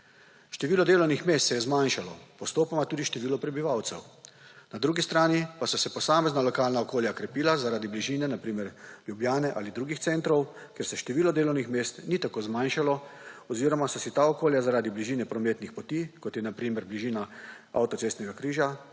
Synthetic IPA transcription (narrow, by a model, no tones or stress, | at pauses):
ʃt̪ɛʋiːlɔd̪eːlɔwnixmeːst̪sɛjɛzmanʃalɔpɔst̪oːpamat̪uːd̪iʃt̪ɛʋiːlɔpɾɛbiʋawt̪sɛ̰wnad̪ɾuːɡist̪ɾaːnipasɔsɛpɔsaːmɛznalɔkaːlnaɔkoːljakɾɛpiːlazaɾaːd̪ibliʒiːnɛnapɾiːmɛɾljubljaːnɛʔa̰ːlid̪ɾuːɡixt̪sent̪ɾɔw | kjeɾsɛʃt̪ɛʋiːlɔd̪eːlɔwnixmeːst̪nit̪akoːzmanʃalɔɔziːɾɔmasɔsit̪aːɔkoːljazaɾaːd̪ibliʒiːnɛpɾɔmeːt̪nixpɔt̪iːkɔt̪jɛnapɾiːmɛɾbliʒiːna | a̰wt̪ɔtseːst̪nɛɡakɾiːʒa